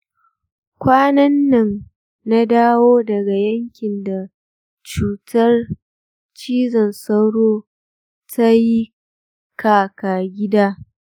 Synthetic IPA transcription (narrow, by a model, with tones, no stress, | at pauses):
kʷaː˦nɐ˦nːɐ˨n | na˦daː˦woː˦dɐ˨ɡa˨jɐ˦ŋkʲɪ˨nda˨ | t͡ʃuː˨tʰɐ˦r | t͡ʃiː˦zɐ˨nsɐ˦wɽoː˦ | tʰa˦ji˦ | kʰaː˨kaː˨ɡʲɪ˦daː˦